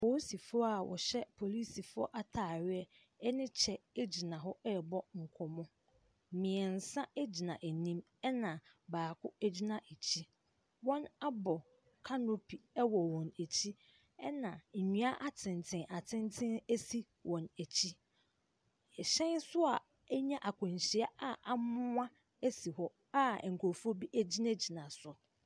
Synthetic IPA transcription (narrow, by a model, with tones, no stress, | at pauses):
po˨˦si˨fʊ˦ɔ˦a˨wʔɔ̰˨ɕɛ˦pʰo˨li˦si˨fʊ˦ɔ̰˦ʔa˦tʰaː˨ɥɪ˦ɛ˦ | ɛ˦nɪ̃˦t͡ɕʰɛ˨e˦d͡ʑi˨nã˨ɦɔ˦ɛ˦˨bɔ˦ŋ̩˨kʰɔ˨mɔ̃˦˨ | mɪ̃˨ɛ˨n̩˨sã˦æ˦d͡ʑi˨nã˨ʔe˨nĩ˦m | ɛ˦nã˨baː˨kʰʊ˦æ˦d͡ʑi˦nã˨ʔe˨t͡ɕʰi˦ | wɔ̃˦na˦bɔ˨ | kʰa˦no˦pʰi˨ɛ˦wɔ˨wɔ̃˨næ˨t͡ɕʰi˦ | ɛ˦nã˨ɲũ˦a˦ʔa˦tʰɪ̃˨n˨tʰɪ̃˨˦ʔa˨tʰɪ̃˦ntʰɪ̃˦ne˦si˦ | wʔɔ̃˨næ˨t͡ɕʰi˦˨ | ɕɛ̃˦nsʊ˦a˨ | ɛ˦ɲã˦ʔa˨kʰʊ̃˨ɲ˨ɕi˨a˦a˦ʔa˨mʊ̃˦ã˦ | e˦si˨hɔ˦ | a˦˨ŋ̩˨kʰo˨fu˦o˦bi˦ʔæ˦d͡ʑi˦nã˦d͡ʑi˨nã˨sʊ˨